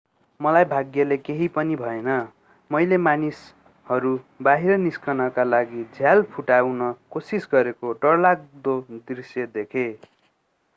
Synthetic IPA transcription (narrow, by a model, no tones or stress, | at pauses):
mʌlajbʱaɡjʌlekeɦipʌnibʱʌenʌ | mʌjlemanis | hʌɾubaɦiɾʌniskʌnʌkalaɡid͡zʱjalpʰuʈawnʌkosisɡʌɾekoʈʌrlak̚d̪od̪irsjʌd̪ekʰe